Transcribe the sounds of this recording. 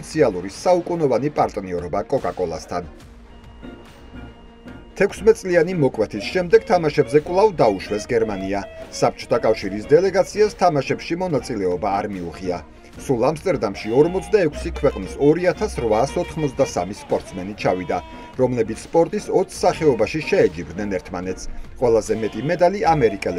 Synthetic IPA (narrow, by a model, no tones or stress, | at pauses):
it̪sʰialˠuɾisaukʼunɔvanipʼaɾt̪ʼniɔɾɔbakʼɔkʼakʼɔlˠa̰st̪ʰan | t̪ʰɛkʷʰsmɛt̪sʼlianimɔkʼwɛt̪ʰisʃɛmd̪ɛɡ̥̚t̪ʰamaʃɛbzɛkʼwlˠavd̪auʃwɛsɡɛɾmaniasap̚ʰt͡ʃʰɔ̥t̪ʰakʼafʃiɾisd̪ɛlɛɡat̪sʰiast̪ʰamaʃɛpʃimɔnat̪sʼilɛɔbaːɾmiuʁia | sulˠamst̪ʼɛɾd̪amʃiɔɾmɔt̪sʰd̪aɛkʷʰsikʰwɛqʼnisɔɾiat̪ʰasɾvaːsɔt̪ʰχmɔt̪sʰd̪asa̰mispʼɔɾt̪ʼsmɛnit͡ʃʰavid̪a | ɾɔmlɛbit̪sʰspʼɔɾt̪ʼisɔt̪sʰsaχɛɔbaʃiʃɛɛd͡ʒibd̪nɛnɛɾt̪ʰmanɛt̪sʰqʼwɛlˠazɛmɛt̪ʼimɛd̪aliamɛɾikʼɛlɛ